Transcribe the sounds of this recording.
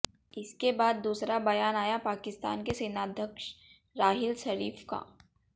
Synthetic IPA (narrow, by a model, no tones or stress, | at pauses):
ɪskebaːd̪ːuːsɾabɐjaːnaːjapaːkɪst̪a̰ːnkeseːnaːd̪ʱjəkʃ | ɾaːɦɪlʃɐɾiːfka̰ː